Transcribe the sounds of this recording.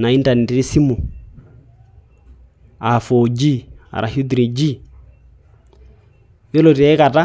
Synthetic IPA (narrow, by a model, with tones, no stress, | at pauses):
na˨i˦nta˨nɛ˨tɾi˦si˦mɔ˨ | a˨fɔ˨d͡ʒi˦a̰˨ɾa̰˨hu˦d̪ɾi˨d͡ʒi˦˨ | jɔ˦lɔ˨tɛ˨ɛ˦ka˨ta˦